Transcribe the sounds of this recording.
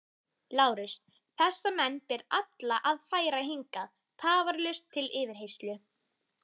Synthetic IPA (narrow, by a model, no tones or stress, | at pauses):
laːwɾʏs | θɛsːamɛnːpɛɾat̪laʔaðfaːjɾaɦiŋkað | t̪ʰaːvaɾlœɥst̪ʰːɪlɪːvɪɾ̥ɦejst̪lʏ